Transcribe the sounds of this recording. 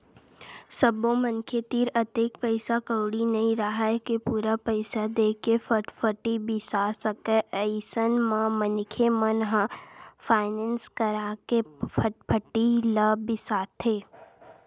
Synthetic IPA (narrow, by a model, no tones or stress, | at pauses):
səbõmənkʰet̪iːɾət̪eːkpəɪsakəwɽinɐɦĩɾaɦaɛkepuːɾapəɪsad̪eːkefəʈfʰəʈibɪsasəkeʔəɪsənmãmənkʰemənɦãfʰaːɪnɛ̃nskəɾaːkepʰəpʰəʈiləbɪsaːt̪ʰeː